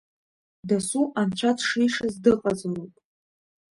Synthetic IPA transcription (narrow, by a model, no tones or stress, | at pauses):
dasuʔant͡ʃʷʰatʰʂiʂazdɨqʼazlopʼ